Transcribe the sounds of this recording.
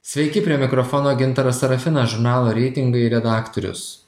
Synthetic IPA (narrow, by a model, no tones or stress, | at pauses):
sʲʋʲɛɪkʲɪpʲɾʲiɛmʲɪkɾɔfɔnoːɡʲɪnˑt̪ɐɾɐsɐɾɐfʲɪnɐʒʊɾnɑːlˠoːɾʲɛɪt̪ʲɪŋɡɐɪɾʲɛd̪ɑːkt̪ɔɾʲʊ̰s